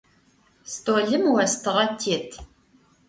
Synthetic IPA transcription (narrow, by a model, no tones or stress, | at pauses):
stʼoːɮɨmwɐstʰɨʁɐtʰːiːtʰ